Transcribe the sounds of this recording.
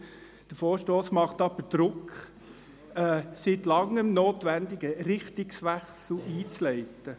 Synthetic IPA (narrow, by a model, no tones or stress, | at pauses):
d̥əɾfoːɾʃtoːsmɑχt̪ɑbəd̪̥ɾʊk | ɛːsit̪lɑŋːəmnoːtʋænd̪ɪɡəɾɪχtɪksʋæχsl̩ʔiːt͡slɛɪt̪ə